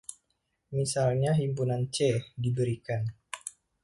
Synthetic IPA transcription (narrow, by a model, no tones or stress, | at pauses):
misalɲaɦimpunant͡ʃɛdibəɾikan